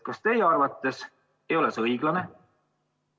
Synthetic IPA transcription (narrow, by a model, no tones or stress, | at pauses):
kɑst̪e̞jeɑrvɑt̪ːˑes | e̞jo̞lesɤjɡ̥lɑne̞